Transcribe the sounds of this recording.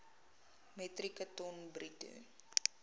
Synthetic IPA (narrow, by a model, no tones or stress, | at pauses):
mɛtrikətɔnbritṵ